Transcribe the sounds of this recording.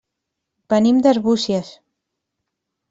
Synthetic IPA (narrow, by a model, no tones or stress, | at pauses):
bənimd̪əɾβusiəs